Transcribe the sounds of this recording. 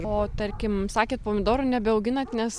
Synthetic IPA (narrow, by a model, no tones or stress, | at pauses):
oːt̪ɐɾʲkʲɪmsɑːkʲeːt̪̚poːmʲɪd̪oːɾʊnʲɛbʲɛɐʊɡʲɪnɐt̪nʲɛs